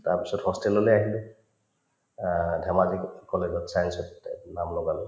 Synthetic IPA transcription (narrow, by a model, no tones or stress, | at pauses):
taɹpisɔthɔstɛlɔleaɦilɛ | dʱamazikkːɔled͡ʒɔtsajnsɔtnamlɔɡalɔ